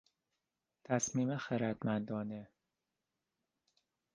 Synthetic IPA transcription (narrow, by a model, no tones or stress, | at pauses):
t̪ʰæsmiːmexeɾæd̪mænd̪ɒːne